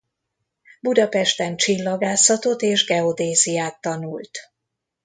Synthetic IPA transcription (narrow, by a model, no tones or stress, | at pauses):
bud̪ɒpɛʃt̪ɛnt͡ʃilːɒɡaːsɒt̪o̞t̪eːʒɡɛo̞d̪eːzijaːt̪ːɒnult̪